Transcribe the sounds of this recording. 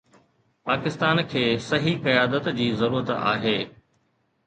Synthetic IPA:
paːkɪst̪aːnkʰeːsɐɦikɐjaːd̪ət̪d͡ʑiːzɐɾuːɾət̪a̰ːɦeː

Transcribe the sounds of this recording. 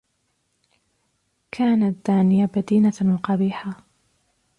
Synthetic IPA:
kʰaːnad̪̥aːnɪjabad̪iːnamqɑbiːħa

